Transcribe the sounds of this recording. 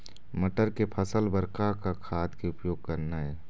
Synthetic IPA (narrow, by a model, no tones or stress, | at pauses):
məʈəɾkepʰəsəlbəɾkakakʰaːt̪keʊpjoːɡ̚kɐɾnaɦɛː